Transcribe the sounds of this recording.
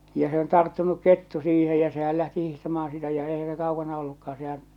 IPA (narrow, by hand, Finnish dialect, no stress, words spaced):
jɑ se on tɑrtːunuk ketːu siːhe jæ sehæl læhti hihtɑmɑːɑ̃ sitæ jɑ eihæ se kɑukɑnɑ olːukɑɑn sehæ̃ː